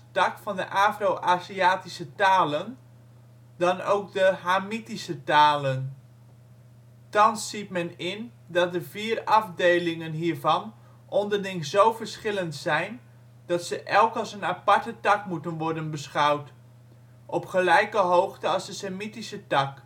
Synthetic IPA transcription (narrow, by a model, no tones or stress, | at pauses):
tɑkfɑndə̰ʔaːfrowʔaːziaːtisətaːlən | dɑno̰wkdəɦaːmitisətaːlən | tɑnsːitmɛnɪn | dɑt̚dəviːrɑfdejlɪŋənɦiːɹvɑn | ʔɔndəɹdɪŋzowvəɹsχɪləntsɛjn | d̥ɑtsəʔɛlˠkɑlˠsənapɑɹtətɑkmutənʋɔɹdənbəsχɑwt | ʔɔpχəlɛjkəɦowχtəɑzdəsemitisətɑk